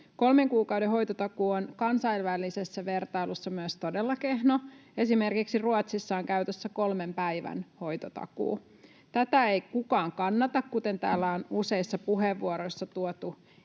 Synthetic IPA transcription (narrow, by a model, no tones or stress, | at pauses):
ko̞lmeŋkuːkɑwdeɦo̞jt̪ot̪ɑkuːonkɑnsɑilʋælˑːisesːæʋe̞rt̪ɑilusːɑmyøst̪odelːɑke̞hnoe̞sime̞rkiksiruot̪sisːɑːoŋkæyt̪øsːæko̞lmempæiʋæ̰nho̞jt̪ot̪ɑ̰kṵː | t̪æt̪æejkukɑːŋkɑnːɑt̪ɑkkut̪e̞nt̪æ̰ːlːæonuse̞isːɑpuɦeʋːuoɾo̞jsːɑt̪uot̪u